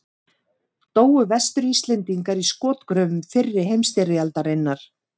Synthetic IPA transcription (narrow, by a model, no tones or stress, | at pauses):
t̪oːwʏvɛst̪ʏɾist̪lɛnt̪iŋkaɾiskɔːt̪kɾœːvʏmfɪrːɪhejmst̪ɛrɪjalt̪aɾejnːaɾ̥